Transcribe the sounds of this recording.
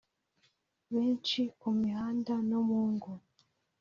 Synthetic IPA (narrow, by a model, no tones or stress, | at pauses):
βeːnt͡ʃikumihaːndanomuːŋɡo